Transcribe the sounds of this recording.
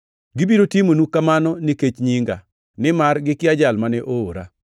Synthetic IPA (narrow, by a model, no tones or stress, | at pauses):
ɡɪbiɾotimonukamanɔniket͡ʃɲiŋɡa | nɪmarɡɪkɪad͡ʒalmanɛʔoːɾa̰